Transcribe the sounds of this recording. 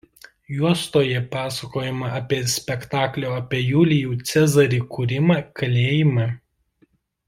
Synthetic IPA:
juɔst̪oːjɛpɑːsɐkoːjɪmɐʔɐpʲiɛsʲpʲɛkt̪ɑːklʲoːɐpʲiɛjuːlʲɪjuːt̪sʲɛzɐɾʲiːkuɾʲɪmɑːkɐlʲeːjɪmɑ

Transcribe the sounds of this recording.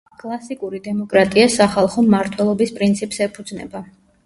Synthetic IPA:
kʼlˠasikʼuɾid̪ɛmɔkʼɾat̪ʼiasaχalˠχɔmːaɾt̪ʰwɛlˠɔbispʼɾint̪sʰipʼsɛpʰud̪znɛ̰ba

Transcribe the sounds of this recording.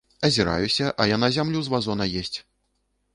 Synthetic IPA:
ɐzʲiɾa̰jusʲɐʔɐjanazʲamlʲuzvazɔnɐjɛsʲt͡sʲ

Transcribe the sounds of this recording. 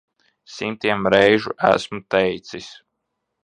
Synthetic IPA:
simt̪iɛmɾɛjʒuʔæ̰smut̪ɛjt̪sis

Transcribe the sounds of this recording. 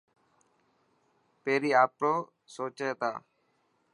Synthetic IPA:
peɾiaːpɾoː | soːt͡ʃeːt̪a̰ː

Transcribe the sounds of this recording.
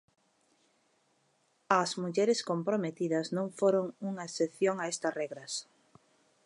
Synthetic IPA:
ɐzmuʎɛɾɪskompɾomet̪iðɐznõŋfoɾoŋuŋɐeseθjoŋaest̪ɐsrɛɣɾɐs

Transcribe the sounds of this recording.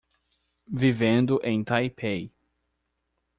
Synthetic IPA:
vivẽnd̪ʊʔẽj̃t̪ajpʰej

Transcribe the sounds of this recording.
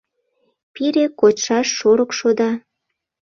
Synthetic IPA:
piɾekotʃɑʃːoɾəkʃod̪ɑ

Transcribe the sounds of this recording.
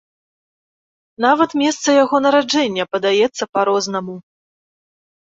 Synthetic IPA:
navɐt̪mʲɛst̪sɐjaɣɔnɐɾad͡ʐɛnʲːɐpɐd̪ajɛt̪sːɐpaɾɔznɐmu

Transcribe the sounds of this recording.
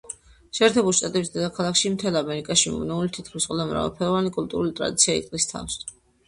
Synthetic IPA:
ʃɛːɾt̪ʰɛbuliʃt̪ʼat̪ʼɛbisd̪ɛd̪akʰalˠakʃimt̪ʰɛlˠamɛɾikʼaʃimɔ̰nɛulit̪ʰit̪̚ʰkʰlisqʼɔd̪amɾa̰vɛ̰lˠpʰɛɾɔvanikʼulˠt̪ʼuɾulit̪ʼɾa̰d̪it̪sʰiaḭt̪ʼqʼlist̪ʰa̰fs

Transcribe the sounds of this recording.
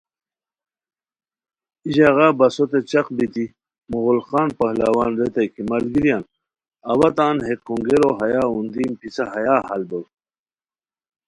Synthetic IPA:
iʑaɣabɐsot̪et͡ɕɐqbit̪i | muɣulxaːnpɐhlɐwaːnɾet̪ɐjkimɐlɡiɾjaːn | ɐwɐt̪aːnɦekːuŋɡeɾoɦɐjaːund̪iːmpit͡saɦɐjaːhɐlbow

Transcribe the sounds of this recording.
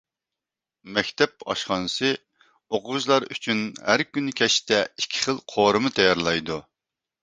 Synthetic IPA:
mɛkʲt̪ʰɛp̚ɑ̰ʃχɑnɨsɨ | oqʊʒlˠɑɾy̰t͡ʃʰynhæɾkʲynɪkʲʰɛʃt̪ɛikʲʰːɪ̥χəlˠqʰoɾɨmɨt̪ʰɛjɑɾlˠɑjd̪u

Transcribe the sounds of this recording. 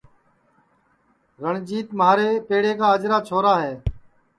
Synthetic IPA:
ɾəɳd͡ʒiːt̪maːɾeːpeːɽeːkaːəd͡ʒɾaːt͡ʃʰoːɾaːɦeː

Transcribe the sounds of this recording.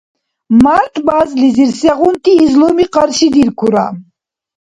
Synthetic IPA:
maɾt̪ʰbazliziɾsɛʁunt̪ʰiːzlɔmiqaɾʃid̪iɾkʰuɾa̰

